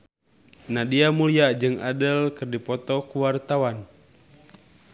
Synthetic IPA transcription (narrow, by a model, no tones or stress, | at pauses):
nadiamuliad͡ʒɨŋadəlkɨrdipɔt̪ɔkuwart̪awan